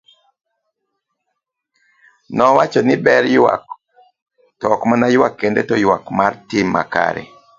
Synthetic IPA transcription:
nɔwat͡ʃɔnɪbɛɾjwa̰k | tɔkmanajwakːendetɔjwakmartɪmːa̰ka̰ɾḛ

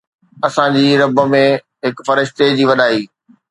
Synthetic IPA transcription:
ɐsãd͡ʑiːɾɐbə̆mẽ | ɦɪkfɐɾɪʃt̪ed͡ʑiːʋɐɗaːiː

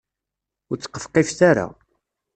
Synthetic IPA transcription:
ʊɾt͡sːə̥qːə̥fqifθaɾa̰

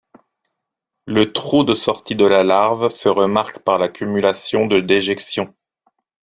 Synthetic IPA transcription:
lət̪χud̪əsɔʁt̪id̪əlalaʁvsəʁəmaʁkpaʁlakʲymylasjɔ̃d̪əd̪eʒɛksjɔ̃

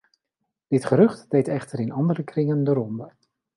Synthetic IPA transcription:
d̥ɪtχəɾɵχtdejtɛχtəɾɪnɑndəɾəkrɪŋəndəɾɔmbə

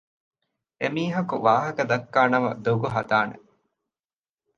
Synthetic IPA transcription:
emiːɦɐkuʋaːɦɐkɐd̪ɐkːaːnɐmɐ̰d̪oɡuɦɐd̪aːnḛ

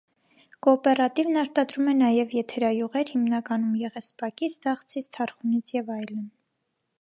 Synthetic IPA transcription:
kɔːpɛrɑt̪ivnɑɾt̪ɑd̪ɾumɛnɑjɛvjɛt̪ʰɛɾɑjuʁɛɾhimnɑkɑnumjɛʁɛspɑkit͡sʰd̪ɑχt͡sʰit͡sʰt̪ʰɑɾχunit͡sʰjɛvɑjlən

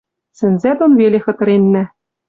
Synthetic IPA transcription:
sɘ̆nzæd̪onvelʲexɤ̆t̪ɤ̆ɾenʲːæ̆

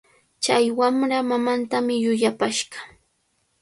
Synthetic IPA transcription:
t͡ʃajwamɾamamant̪amɪjʊjapaʃɢɑ̥

